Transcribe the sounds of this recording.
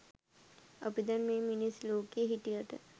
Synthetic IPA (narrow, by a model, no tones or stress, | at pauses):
əpid̪ɐnmẽminisloːkeɦiʈiəʈə̰